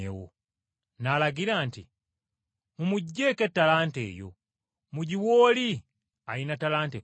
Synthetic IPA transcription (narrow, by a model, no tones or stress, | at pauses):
ḛwo̰ | nalaɡilaːntḭ | mumuɟːeketːalantḛːjo̰ | muɟiwoːli | ainatalante